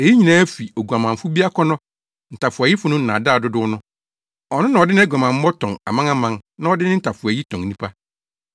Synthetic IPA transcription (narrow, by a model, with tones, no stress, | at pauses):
e˨ji˦ɲĩ˨nãː˦fi˨o˨ɡu˨a˨mã˨m̩˨fʊ˦bi˦a˦kʰɔ˦nɔ̃˦ | n̩˨tʰa˨fʊ˨a˨ji˦fʊ˦nʊ̃˦n̩˨nã̰˨daː˦˨dʊ˦dʊ˦ʊ˦nʊ̃˦ | ɔ˨nʊ̃˦nã˨ɔ˨dɪ˦nɪ̃˦ɛ˦˨ɡʷa˨mã˨m̩˦ɔ˦tʰɔ̃˨ŋa̰˨mã˦ŋa˦mã˦ŋnã˦ɔ˦dɪ˦nɪ̃˦n̩˦tʰa˨fʊ˨æ˨ji˦tʰɔ̃˨ŋ˨nĩ˦pʰa˦